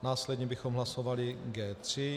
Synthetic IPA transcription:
naːslɛdɲɛbɪxomɦlasovalɪɡɛːt̪r̥ɪ

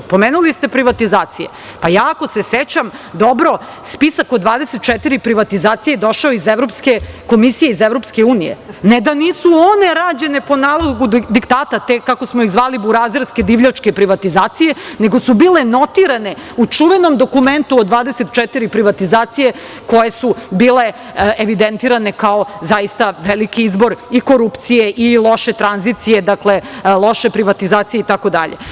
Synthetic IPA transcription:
po̞meːnulist̪e̞pɾiʋat̪izaːt̪sijḛ | pajaːko̞se̞set͡ɕamd̪o̞bɾo̞ | spisakod̪ʋaːd̪eset̪̚t͡ʃɛt̪iɾipɾiʋat̪izaːt̪sijed̪o̞ʃaoizeʋɾopske̞ko̞misijeizevɾo̞pske̞uːnijḛned̪aniːsuoneɾaːd͡ʑe̞ne̞po̞naːlˠoɡud̪ikt̪aːt̪at̪ekːakosmoiɣzʋaːlibuɾazɾsked̪iʋʎʲat͡ʂkepɾiʋat̪izaːt̪sije̞ne̞ɡosubiːle̞no̞t̪iɾane̞ut͡ʂuʋenomd̪o̞kument̪uod̪ʋaːd̪eset̪t͡ʃɛt̪iɾipɾiʋat̪izaːt̪sije̞ | ko̞jesubiːle | eʋid̪ent̪iːɾane̞kaozajist̪aʋelikiizbo̞ɾiko̞ɾupt̪sijeʔilˠo̞ʃe̞t̪ɾanzit̪sije̞d̪aklelˠo̞ʃepɾiʋat̪izaːt̪sijeit̪ako̞d̪a̰ʎḛ

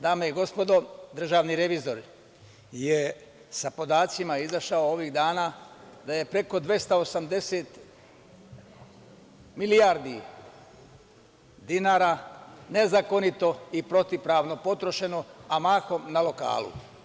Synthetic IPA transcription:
d̪aːmeiɡo̞spo̞d̪o̞d̪r̩ʒaːʋniɾe̞ʋizo̞ɾ | je | sapo̞d̪aːt̪simaizaʃaoo̞ʋiɣd̪aːnaːd̪aje̞pɾe̞ko̞d̪ʋe̞st̪aosamd̪e̞seːt̪ | milijaɾd̪i | d̪inaːɾaːnezako̞nit̪o̞ipɾo̞t̪ipɾaːʋno̞po̞t̪ɾo̞ʃe̞no̞amaːxo̞mnalo̞ka̰ːlˠṵ

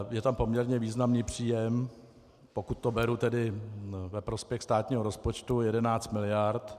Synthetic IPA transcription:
jɛt̪ampo̞mɲɛɾɲɛviːznamniːpr̝̥iːjɛm | pokut̪̚ːobɛɾut̪ɛdɪvɛpɾo̞spjɛxst̪aːt̪ɲiːɦoɾo̞spot͡ʃt̪ujɛdɛnaːt͡st̪mɪlɪjaɾt̪

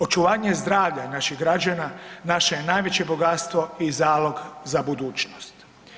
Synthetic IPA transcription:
o̞t͡ʃuʋaːɲezd̪ɾaːʋʎanaʃiɣɡɾad͡ʑananaʃeje̞najʋe̞t͡ɕe̞bo̞ɡat̪st̪ʋo̞izaːlˠo̞ɡzabud̪uːt͡ʃnost̪

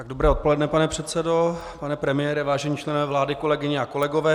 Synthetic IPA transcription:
t̪aɡ̚do̞bɾɛːot̪po̞lɛdnɛpanɛpr̝̥ɛt̪sɛdo̞ | panɛpɾɛmɪjɛːɾɛvaːʒɛɲiːt͡ʃlɛnovɛːvlaːdɪko̞lɛɡɪɲɛako̞lɛɡo̞vɛː

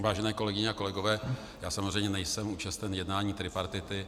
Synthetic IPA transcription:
vaːʒɛnɛːko̞lɛɡɪɲɛako̞lɛɡovɛː | jaːsamozrɛjmɲɛnɛjsɛmuːt͡ʃast̪ɛnjɛdnaːɲiːt̪ɾɪpaɾt̪ɪt̪ɪ

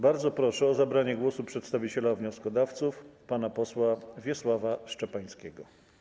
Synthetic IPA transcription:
baɾd̪zɔpɾɔʂɛɔzabɾaɲɛɡwɔsupʂɛt̪st̪avʲit͡ɕɛlavɲɔskɔd̪aft̪sufpanapɔswavʲjɛswavaʂt͡ʂɛpaj̃skʲɛɡɔ

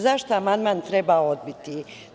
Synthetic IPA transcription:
zaʃt̪oamand̪maːnt̪ɾebaːo̞d̪̚bit̪i

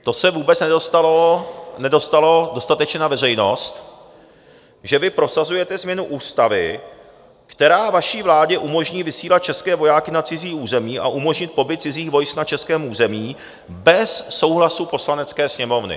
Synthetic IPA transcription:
t̪o̞sɛvuːbɛt͡snɛdost̪alonɛdo̞st̪alo̞do̞st̪at̪ɛt͡ʃɲɛnavɛr̝ɛjno̞st̪ | ʒɛvɪpɾo̞sazujɛt̪ɛzmɲɛnuʔuːst̪avɪ̰ | kt̪ɛɾaːvaʃiːvlaːɟɛʔumo̞ʒɲiːvɪsiːlat̪̚t͡ʃɛskɛːvo̞jaːkɪnat͡sɪziːuːzɛmiːʔa̰ʔumo̞ʒɲɪt̪̚po̞bɪt̪̚t͡sɪziːxvo̞jsknat͡ʃɛskɛːmʔuːzɛmiː | bɛsːo̞wɦlasupo̞slanɛt͡skɛːsɲɛmo̞vnɪ̰

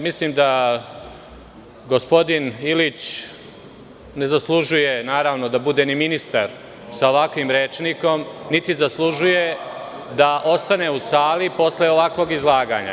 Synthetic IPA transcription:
misliːmd̪a | ɡo̞spo̞d̪inilit͡ɕ | ne̞zaslˠuʒuje̞naːɾaʋno̞d̪abud̪e̞niminist̪aɾ | sao̞ʋakʋimɾeːt͡ʃniko̞mnit̪izaslˠuʒuje̞ | d̪aʔo̞st̪ane̞usaːlipo̞sleo̞ʋakʋo̞ːɡizlˠaːɡaɲa̰

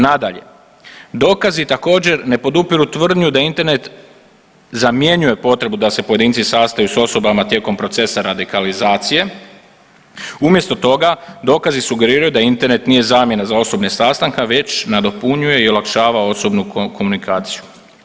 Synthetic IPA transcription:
nad̪aʎe̞̰ | d̪o̞ːkazit̪ako̞ːd͡ʑe̞ɾne̞po̞d̪upiɾut̪ʋr̩d̪ɲud̪aint̪e̞ɾne̞t̪ | zamje̞ɲuje̞po̞t̪ɾe̞bud̪ase̞po̞je̞d̪iːnt̪sisast̪ajuso̞so̞bamat̪je̞ko̞mpɾo̞t̪se̞saɾad̪ikalizaːt̪sije̞ | umje̞st̪o̞t̪o̞ɡad̪o̞ːkazisuɡe̞ɾiːɾajud̪aint̪e̞ɾne̞t̪nije̞zaːmje̞nazao̞so̞bnesast̪aŋkaʋe̞t͡ɕnad̪o̞puɲuje̞io̞lakʃaːʋao̞so̞bnuko̞munikʰaːt̪siju

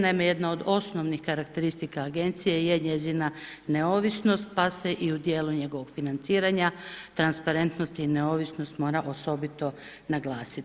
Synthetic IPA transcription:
nameje̞d̪nao̞d̪o̞sno̞ʋnixkaɾakt̪e̞ɾist̪ikaːɡe̞nt̪sijejeɲe̞zinane̞o̞ʋisno̞st̪̚pase̞ʔiud̪je̞ːluɲe̞ɡo̞ʋo̞ɡ̥finant̪siːɾaɲat̪ɾanspaɾe̞nt̪nost̪ineoʋisno̞st̪mo̞ːɾaʔo̞so̞bit̪o̞ | naɡlˠaːsit̪

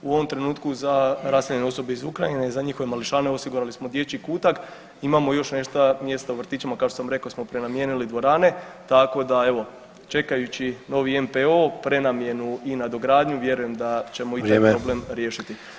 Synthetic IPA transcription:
uo̞ʋo̞mt̪ɾe̞nuːt̪kuzaɾaːseʎeneo̞so̞beizukɾajine̞zaɲixo̞ʋe̞maliʃaːne̞o̞siɡuɾalismo̞d̪je̞t͡ɕikuːt̪ak | imamo̞jo̞ʃne̞ʃt̪amje̞st̪auʋrt̪iːt͡ʃamakaoʃt̪osamɾe̞kosmo̞pɾe̞namje̞nilid̪ʋo̞ɾaːne̞t̪ako̞d̪ae̞ʋo̞ | t͡ʃe̞kajut͡ɕino̞ʋie̞mpeo̞pɾe̞namje̞nuinad̪o̞ɡɾaːd̪ɲuʋje̞ɾuje̞md̪at͡ɕe̞mo̞it̪apɾoblemɾjeʃit̪i

